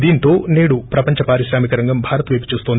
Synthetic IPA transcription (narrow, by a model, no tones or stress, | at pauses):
d̪iːnt̪o̞ːneːɽupɾɐpɐɲt͡ʃɐpaːɾiʃɾaːmikɐɾɐŋɡɐmbʱaːɾɐt̪ʋeːpu̥t͡ʃuːst̪oːnd̪